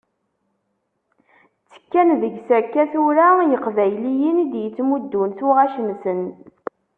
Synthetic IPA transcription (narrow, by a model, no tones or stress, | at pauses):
t͡sːə̥kːænðəɡsækːæθuɾajəqvæjlijinid̪jət͡sːmud̪ːunθuʁaʃəmsən